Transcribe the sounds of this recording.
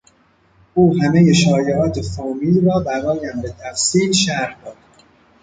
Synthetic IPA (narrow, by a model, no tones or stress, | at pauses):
ʔuːɦæmejeʃɒːjeʔɒːt̪ʰe̞fɒːmiːlrɒːbæɾɒːjæmbe̞t̪ʰæfsiːlʃæɾhd̪ɒːd̪̥